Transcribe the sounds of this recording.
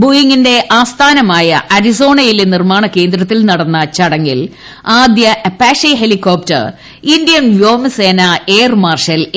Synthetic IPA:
bojiŋːinde̞ʔaːst̪ʰaːnɐmaːjɐʔɐɾiso̞ːɳɐjilenirmaːɳɐkːe̞ːnd̪ɾɐt̪ːilnɐɽɐnːɐt͡ɕɐɽɐŋːil | aːd̪jɐʔɐpːaːʂɐɦelikːoːp̚tɐ̰r | indijɐnʋjo̞ːmseːnɐeːrmaːrʂɐl

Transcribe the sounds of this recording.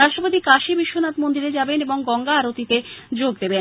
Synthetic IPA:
ɾaʃʈɾopot̪ikaʃibiʃːonat̪mond̪iɾed͡ʑabeneboŋɡɔŋɡaːɾot̪it̪ed͡ʑoɡ̚d̪eben

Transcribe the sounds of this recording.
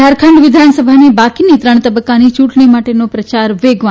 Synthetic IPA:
aɾkʰəɳɖʋɪd̪ʱansəbʱanibakinit̪ɾəɳ̃t̪əbəkːanit͡ʃũʈɳ̃imaʈenopɾət͡ʃaɾʋeɡʋa

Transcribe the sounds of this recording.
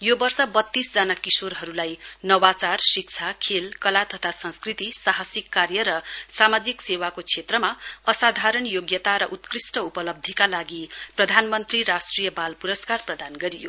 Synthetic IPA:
jobʌrsʌbʌt̪ːisd͡zanakisorɦʌɾulajnʌwat͡sarsik̚t͡sʰakʰelkʌlat̪ʌt̪ʰasʌ̃nskrit̪isaɦasikːarjʌɾʌsamad͡ziksewakot͡sʰet̪rʌmaʌsad̪ʱaɾʌnjoɡjʌt̪aɾʌʔut̪krisʈʌupʌlʌb̚d̪ʱikalaɡiprʌd̪ʱanmʌnt̪riɾasʈrijʌbalpuɾʌskarprʌd̪anɡʌɾijo̰

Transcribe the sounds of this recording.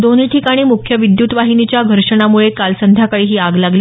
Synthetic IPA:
d̪oniʈʰikaɽ̃iːmukʰjəʋid̪jut̪ʋaɦinit͡ɕjaɡʱəɾʂəɳ̃amuɭekalsənd̪ʱjakəɭiːɦiːaɡlaɡli

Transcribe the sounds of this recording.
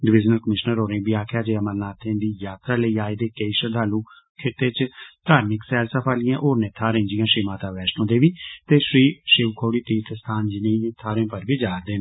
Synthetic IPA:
ɖɪʋɪd͡ʒnəlkəmɪʃnəɾoːɾẽːbiːaːkʰjaːd͡ʒeːəməlnaːt̪ʰẽːd̪iːjaːt̪ɾaːləiːaːeːd̪eːkeiːʃəd̪ʱaːluː | kʰɪt̪eːt͡ʃt̪aːɾnɪksɛːlsəpʰaːlɪjãːʔoːɾnẽːt̪ʰaːɾẽːd͡ʒɪjãːʃɾiːmaːt̪aːʋɛːʃnõːd̪eːʋiːt̪eːʃɾiːʃɪʋkʰoːɽiːt̪iːt̪əst̪ʰaːnd͡ʒɪnẽːt̪ʰaːɾẽːpəɾbiːd͡ʒaːɾd̪eː

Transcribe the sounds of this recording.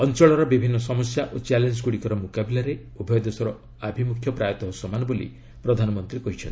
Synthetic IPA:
ɔnt͡ʃɔɭɔɾɔbibʱinːɔsɔmɔsjaʔot͡ʃalend͡ʒkuɽikɔɾɔmukabilaɾe | ubʱɔjɔd̪esɔɾɔ | abʱimukʰjɔpɾajɔt̪ɔɦɔsɔmanɔbolḭ | pɾɔd̪ʱanɔmɔnt̪ɾikɔɦit͡ʃʰɔnt̪i

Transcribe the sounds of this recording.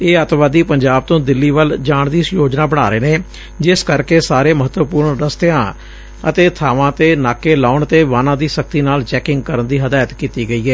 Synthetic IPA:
eːət̪ʋaːd̪iːpəɲd͡ʒaːb̚t̪õːd̪ɪlːiːʋəld͡ʒaːɳd̪iːsjoːd͡ʒnaːbəɽ̃aːɾeːneː | d͡ʒɪskəɾkeːsaːɾeːməɦət̪ʋəpuːɾɳɾəst̪eãː | ə̰t̪eːt̪ʰaːʋãːt̪eːnaːkeːlaːʊɳət̪eːʋaːnãːd̪iːsək̚t̪iːnaːlt͡ʃɛːkɪ̃ŋɡ̚kəɾənd̪iːɦəd̪aːjət̪kiːt̪iːɡəiːɛː

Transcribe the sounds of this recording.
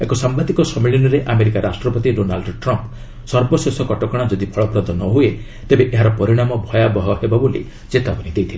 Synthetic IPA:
ekɔsambad̪ikɔsɔmiɭinɔɾeʔameɾikaɾasʈɾɔpɔt̪iɖonalɖʈɾɔmp | sɔɾbɔsesɔkɔʈɔkɔɽ̃ad͡ʒɔd̪ipʰɔɭɔpɾɔd̪ʱɔnɔɦue | t̪ebeʔeɦaɾɔpɔɾiɽ̃amɔbʱɔjabɔɦɔhebabolḭ | t͡ʃet̪apɔnid̪ejt̪ʰile

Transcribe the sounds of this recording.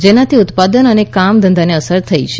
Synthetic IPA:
d͡ʒenat̪ʰiʊt̪pad̪ənənekamd̪ənd̪aneəsəɾt̪ʰəit͡ʃʰe̥

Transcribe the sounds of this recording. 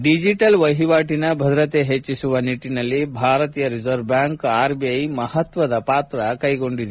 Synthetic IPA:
ɖid͡ʒiʈɐlʋɐɦiʋaːʈinɐbʱɐd̪ɾɐt̪eɦet͡ʃːisuʋɐniʈːinɐlːibʱaːɾɐt̪iːjɐɾid͡ʒɐɾbjaːŋkaːɾbiɐjmɐhɐt̪ʋɐd̪ɐpaːt̪ɾɐkɐjɡo̞ɳɖid̪u

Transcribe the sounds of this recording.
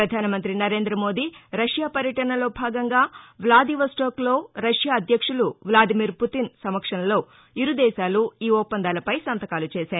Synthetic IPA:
ɾɐd̪ʱaːnɐmɐnt̪ɾinɐɾe̞ːnd̪ɾɐmo̞ːd̪iɾɐʂjaːpɐɾjɐʈɐɳɐlo̞ːbʱaːɡɐŋɡaːʋlaːd̪iːʋɐsʈoːklo̞ːɾɐʂjaːɐd̪ʱjɐkʂuluʋlaːd̪imiːɾput̪insɐmɐkʂɐnɐlo̞ː | iɾud̪ɛːʃaːluiːɔːpːɐnd̪aːlɐpɐjsɐnt̪ɐkaːlut͡ʃeːʃaːɾu

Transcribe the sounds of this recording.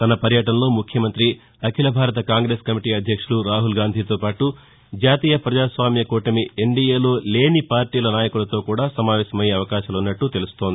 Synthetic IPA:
t̪ɐnɐpɐɾjɐʈɐnɐlo̞ːmukʰjɐmɐnt̪ɾi | ɐkʰilɐbʱaːɾɐt̪̬ɐkaːŋɡɾe̞ːskɐmiʈiːɐd̪ʱjɐkʂuluɾaːɦulɡaːnd̪ʱiːt̪o̞ːpaːʈu | d͡ʒaːt̪iːjɐpɾɐd͡ʒaːsʋaːmjɐkoːʈɐmieɳɖijeːlo̞ːle̞ːnipaːɾʈiːlɐnaːjɐkulɐt̪o̞ːkuːɽaːsɐmaːʋɛːʃɐmɐjeɐʋɐkaːʃɐlunːɐʈːut̪e̞lust̪o̞ːnd̪i

